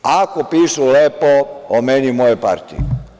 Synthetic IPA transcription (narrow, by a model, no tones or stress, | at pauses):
akopiːʃulepoomenimojepa̰ɾt̪ḭ